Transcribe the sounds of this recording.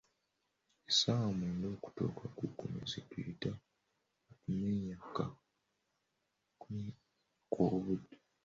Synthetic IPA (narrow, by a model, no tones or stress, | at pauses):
esawamuːndoːku̥to̰ːkʰakukomḛzitwiita | kumeɲaka | ku | kʰoːβude